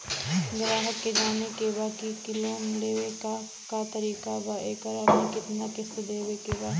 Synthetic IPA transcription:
ɡɾaːɦəkːed͡ʒaːnekebaːkikɪloːnleːweka | kat̪ɐɾiːkabaːʔekəɾɐpnikɪt̪nakɪsd̪eːʋekebaː

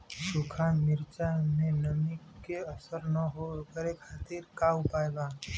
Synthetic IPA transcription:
sukʰamiɾt͡ʃamenəmikːeəsəɾnəɦokəɾekʰat̪iɾkaupajba

